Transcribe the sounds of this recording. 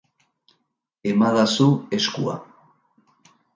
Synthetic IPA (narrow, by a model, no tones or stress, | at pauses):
emaðasue̞skṵa̰